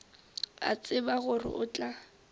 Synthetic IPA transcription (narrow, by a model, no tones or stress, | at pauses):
a̰t͡sʼɪbaɣʊrɪ̰ʔʊt͡ɬʼa